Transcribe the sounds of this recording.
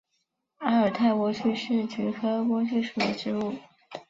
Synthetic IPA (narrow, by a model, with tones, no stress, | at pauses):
a˧˥ə˞˨˩t̪ʰa˥˩ɪkwɔ˧˥t͡ɕʰy˥˧ʂɻ̩˥˩t͡ɕy˧˥xɤ˥kwɔ˥t͡ɕʰy˥˩ʂu˨˩d̪ə˦ʈ͡ʂɻ̩˥u˥˩